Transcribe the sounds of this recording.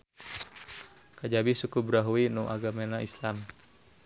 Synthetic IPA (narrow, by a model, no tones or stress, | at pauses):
kad͡ʒabisukubɾaɦuinuʔa̰ɡamenaislam